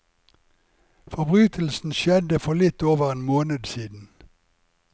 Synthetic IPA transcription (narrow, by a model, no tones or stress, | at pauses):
fɔbʁyːt̪ʰəl̩sn̩ʃjɛd̪əfɔlɪt̪oːʋəʁeːnmoːnəd̪siːd̪n̩